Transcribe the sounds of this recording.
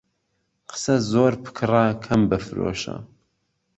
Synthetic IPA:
qʰə̥sɐzoːɾpʰɨ̥kʰɨrakʰɐmbɨfɨɾo̰ːʃɐ̰

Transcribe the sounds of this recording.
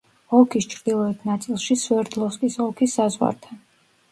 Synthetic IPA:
ɔkʰist͡ʃʰɾd̪ilˠɔɛt̪ʰnat̪sʼilˠʃiswɛɾd̪lˠɔskʼisɔkʰisːazʁwa̰ɾt̪ʰan

